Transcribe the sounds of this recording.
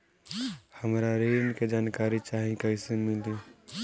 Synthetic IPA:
həmɾaɾeːnked͡ʒaːnkaːɾit͡ʃaːɦĩkəɪsemɪld̪i

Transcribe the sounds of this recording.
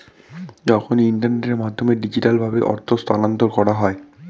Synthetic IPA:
d͡ʑɔkʰoniɳʈaɾneʈʈeɾmad̪ʱːomeɖid͡ʑiʈalbʱabeʔɔ̰ɾt̪ʰost̪anont̪oɾkɔɾaɦɔe

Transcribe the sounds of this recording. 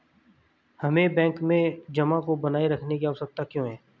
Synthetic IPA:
hɐmẽbɛ̃ːŋkmẽd͡ʒɐmãkobɐnaːiɾɐkʰnekiaɦoːsək̚t̪akjõːɦɛː

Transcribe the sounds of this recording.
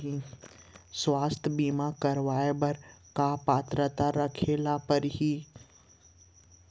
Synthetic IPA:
i | swaːst̪ʰəbiːmakəɾʋaːebɐɾkapaːt̪ɾət̪aɾəkʰeːlapəɾɦiː

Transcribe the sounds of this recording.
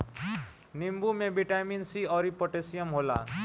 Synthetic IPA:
nimbumebiʈaminsiɔɾipɔʈesiəmɦola̰

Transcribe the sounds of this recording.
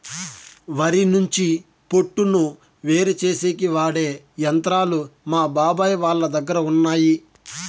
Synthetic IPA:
ʋɐɾinuɲt͡ʃi | po̞ʈːunu | ʋe̞ːɾut͡ʃe̞ːse̞ːkiʋaːɽe̞ː | jɐnt̪ɾaːlumaːbaːbaːjʋaːɭːɐd̪ɐɡːɐɾɐunːaːji

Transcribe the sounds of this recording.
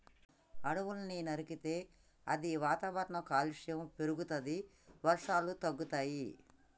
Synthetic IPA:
ɐɽuʋulɐninɐɾikit̪e̞ː | ɐd̪iʋaːt̪aʋɐɾɳɐkaːliʂjɐmpeɾuɡut̪ɐd̪i | ʋɐɾʂaːlut̪ɐɡːut̪aːji

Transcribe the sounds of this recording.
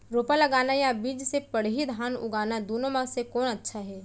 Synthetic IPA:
ɾoːpalɐɡaːnajabiːd͡ʒsepɐɽ̤ɦid̪ʱaːnʊ̰ɡaːnad̪oːnõmasekɔːnɐtːʃʰaɦɛː

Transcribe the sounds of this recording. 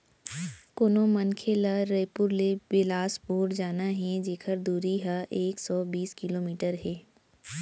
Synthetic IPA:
konõmɐnkʰelaɾejpʊɾlebɪlaːspoːɾd͡ʒaːnaɦɛd͡ʒeːkʰəɾd̪uːɾiɦaʔeːksɔːbiːskɪloːmiːʈəɾɦɛː

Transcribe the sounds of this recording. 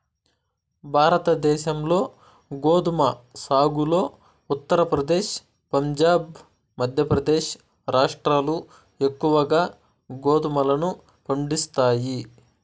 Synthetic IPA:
bʱaːɾɐt̪ɐd̪ɛːʃɐmlo̞ː | ɡoːd̪umɐsaːɡulo̞ː | ut̪ːɐɾɐpɾɐd̪eːʃ | pɐɲd͡ʒaːb | mɐd̪ʱjɐpɾɐd̪eːʃ | ɾaːʂʈɾaːlu | e̞kːuʋɐɡaː | ɡoːd̪umɐlɐnu | pɐɳɖist̪aːji

